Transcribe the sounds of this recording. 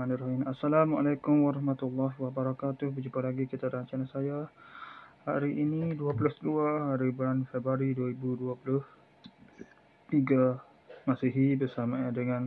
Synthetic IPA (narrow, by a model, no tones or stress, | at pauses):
maniɾɔhinasːalama̰lajkʊmwaɾɑhmat̪ulːɔɦwabaɾakat̪ʊhbərd͡ʒupalaɡikit̪aɾaɲt͡ʃanasaja | haɾiʔiniduapulʊhduahaɾibulanfebɾaɾiduaɾibuduapulʊh | t̪iɡa | masiɦibərsamadəŋan